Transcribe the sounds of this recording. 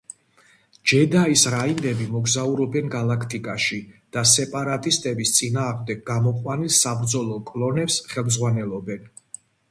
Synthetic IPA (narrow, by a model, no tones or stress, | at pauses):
d͡ʒɛd̪aisɾaind̪ɛbimɔɡzauɾɔbɛnɡalakʰt̪ʼikʼaʃid̪̥asɛpʼaɾat̪ʼist̪ʼɛbist̪sʼinaːʁmd̪ɛɡ̚ɡamɔqʼwanilˠsabɾd̪zɔlˠɔkʼlˠɔnɛpsχɛlˠmzʁwanɛlˠɔbɛn